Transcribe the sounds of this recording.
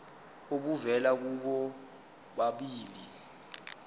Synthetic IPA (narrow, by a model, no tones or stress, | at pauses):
oɓuvɛlak̬uɓɔ | ɓaɓiːli